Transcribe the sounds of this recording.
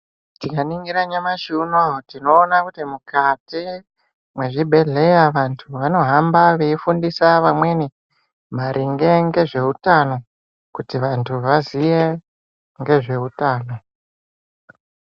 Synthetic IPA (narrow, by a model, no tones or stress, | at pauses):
tikaniŋɡiɾaɲamaʃunotino̞ːnakutimukati | mwe̞ʐibʱe̞ɮe̞jaʋantʰuʋano̞ɦambaʋe̞ifundisaʋamwe̞ni | maɾʔiŋɡe̞ŋɡe̞ʐe̞utano̞ | kutiʋantʰuʋazije | ŋɡe̞ʐe̞utaːno̞